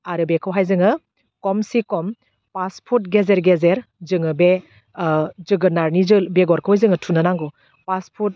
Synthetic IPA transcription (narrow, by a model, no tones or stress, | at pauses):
aɾɯbekʰɯwɦajzɯŋɯ | kɔmsikɔm | paspʰut̚ɡezeɾɡezeɾzɯŋɯbe | zɯɡɯnaɾnizɯlbeɡɔɾkʰɯwjzɯŋɯtʰunanaŋɡɔ | paspʰut̚